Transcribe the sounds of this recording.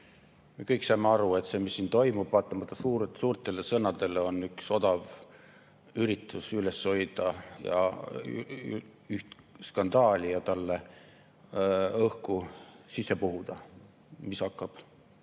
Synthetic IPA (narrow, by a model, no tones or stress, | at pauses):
me̞kɤjksɑjmeɑɾue̞t̪se̞ːmisːiːnt̪o̞jmub̥vɑːt̪ːˑɑmɑt̪ːˑɑsuːɾesuːrt̪ˑe̞le̞sɤnɑd̪̥e̞leo̞nːykso̞d̪̥ɑv | yɾit̪ːˑusyle̞sːo̞jd̪̥ɑjɑ̰ | yht̪ | skɑnd̪ɑːlʲijɑt̪ɑlːe | ɤhkusisːe̞puɦud̪̥ɑ | mishɑkːˑɑb̥